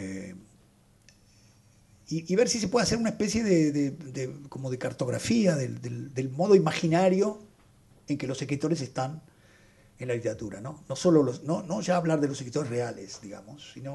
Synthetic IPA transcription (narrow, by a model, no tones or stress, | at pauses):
iiβeɾsis̬epweðase̞ɾunaespesje̞ðeðed̪eko̞mo̞ð̞ekaɾt̪o̞ɣɾa̰fiaðeld̪eld̪elmo̞ð̞o̞imaxinaɾjo̞ | eŋkelo̞sekɾit̪o̞ɾes̬est̪an | enlaðit̪eɾat̪uɾanono̞so̞lolosnonoʒaːβlaɾðelosekɾit̪o̞ɾe̞srealesd̪iɣa̰mosːino